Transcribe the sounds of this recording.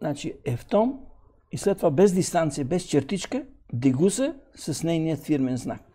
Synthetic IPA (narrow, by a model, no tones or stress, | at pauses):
nat͡ʃiɛft̪ɔm | islɛt̪ːovabɛzd̪ist̪ant̪sijəbɛst͡ʃɛɾt̪it͡ʃkəd̪iɡusɛsɐsnɛjniət̪fiɾmɛnzna̰k̚